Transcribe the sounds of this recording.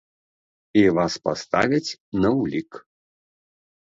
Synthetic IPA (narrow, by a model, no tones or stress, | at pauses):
ivaspast̪a̰vʲɐt͡sʲnɐwlʲik